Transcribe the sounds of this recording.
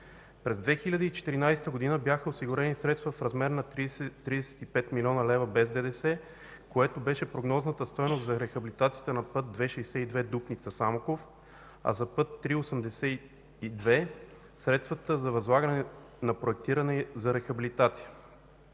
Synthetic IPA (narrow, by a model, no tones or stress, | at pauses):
pɾɛzd̪vɛxilʲɐd̪iːt͡ʃɛ̥t̪iɾinajsɛ̥t̪əɡod̪inəbjaxəosiɡʊɾɛnisɾɛt̪st̪vəfɾɐzmɛɾnɐt̪ɾt̪ːɾid̪ɛsɛ̥t̪ipɛt̪milʲɔnəlɛvɐbɛzd̪ɛd̪ɛsɛ | koɛt̪obɛʃɛpɾoɡnɔznət̪əst̪ɔjnost̪zɐɾɛxɐbilit̪at̪sijə̥t̪ənɐpɤt̪̚d̪vɛʃɛjsɛid̪vɛd̪upnit̪səsamokof | ɐ̰zɐpɤt̪ːɾiosəmd̪ɛsɛ | id̪vɛ | sɾɛt̪st̪vət̪əzɐvɐzlˠaɡənɛ | nɐpɾoɛk̚t̪iɾɐnɛzɐɾɛxɐbilit̪at̪si̥ə